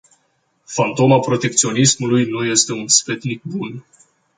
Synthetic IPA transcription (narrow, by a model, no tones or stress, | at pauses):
fant̪o̞mapɾo̞t̪e̞k̚t̪sio̞nismulujnuje̞st̪e̞unspe̞t̪nik̚bun